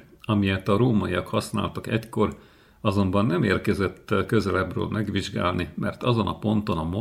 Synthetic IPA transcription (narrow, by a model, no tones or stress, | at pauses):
ɒmijɛt̪ɒɾoːmɒiɒkhɒsna̰ːlt̪ɒkɛcko̞r | ɒzo̞mbɒnːɛmeːrkɛzɛt̪ːkø̞zɛlɛbrø̰ːlmʔɛɡʋiʒɡa̰ːlnimɛ̰rt̪ɒzo̞nʔɒpo̞nt̪o̞nɒmo